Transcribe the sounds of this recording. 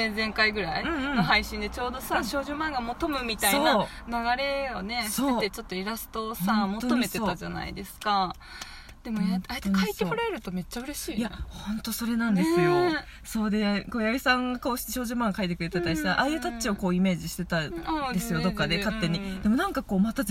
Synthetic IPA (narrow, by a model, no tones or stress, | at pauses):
ezẽ̞ŋkaiɡɯ̟ɾaiɯ̟̃noɦaiɕĩnd̪e̞t͡ɕo̞ːd̪o̞saɕo̞ːʑoːmãŋɡamo̞t̪o̞mɯ̟mʲit̪aisoanaɡaɾe̞one̞ɕsoeːt̪et͡ɕo̞t̪ːo̞iɾasɨ̥t̪o̞samooome̞eot̪ːad͡ʑa̰na̰ḭd̪e̞sɨ̥ka | d̪̥e̞mojat̪k̪ʰait̪ekoɾaeɾɯ̟t̪o̞me̞t͡ɕːaɯ̟ɾe̞ɕiːjahõ̞nt̪o̞so̞ɾe̞nãnd̪esɨjo̞ | so̞ːd̪e̞ko̞ːjaɡʲisãŋɡako̞ːɕi̥t̪eɕo̞ːʑoːmãŋɡkʰait̪ekɯ̟ɾe̞t̪at̪ːaisaʔajɯt̪at͡ɕio̞ko̞ːime̞ːʑiɕi̥t̪e̞t̪aad̪e̞sɨjo̞d̪o̞kːad̪ekat̪ːe̞ɲ̟id̪e̞monãŋkako̞ːmat̪a